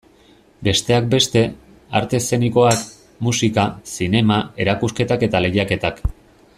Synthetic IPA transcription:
be̞st̪e̞ak̚be̞st̪e̞ | a̰ɾt̪e̞se̞niko̞ak | musikasine̞mae̞ɾakuske̞t̪ake̞t̪ale̞ɣiake̞t̪ak

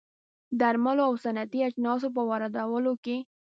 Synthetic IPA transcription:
d̪aɾmaloawsanat̪iad͡ʒnɑs̬op̬əwaɾad̪awəloke

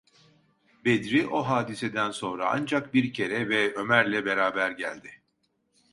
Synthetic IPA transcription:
bed̪ɾiʔo̞ɦaːd̪ised̪ænso̞nɾa̰a̰nd͡ʒak̚biɾcʰe̞ɾɛvɛø̞mæɾlʲɛbe̞ɾaːbæɾɟælʲd̪ɪ

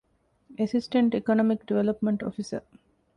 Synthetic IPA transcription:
esisʈeɳʈikonomikɖiʋelopmeɳʈo̰fisə̰

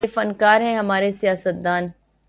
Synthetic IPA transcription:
efɐnkaːɾɦɛ̃ɦɐmaːɾesijaːsət̪̚d̪aːn

